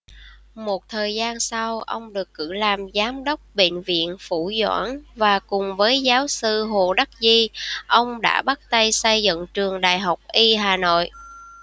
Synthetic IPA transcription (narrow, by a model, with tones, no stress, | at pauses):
mo˨˩t̚t̪ʰəː˨˩jzaː˧nsa˧wʔə˧wŋ͡mɗɨ˨˩əkːɨ̰˧˥laː˨˩mzaː˨˦mɗə˦˥wk͡p̚ɓḛ˧˨nvḭ˧˨ənfu˧˩zwa̰ː˧˥˩nvaː˨˩kʊ˨˩ŋ͡mvəː˨˦jzaː˨˦wsɨ˧ɦo˨˩ɗa˦˥k̚zi˧ʔə˧wŋ͡mɗa̰ː˧˥ɓa˦˥t̚t̪ə˧jsə˧jzɨ̰˧˨ŋt͡ɕɨ˨˩əŋɗa̰ː˧˨jɦa˨˩wk͡p̚ʔi˧ɦaː˨˩no̰˧˨jʔ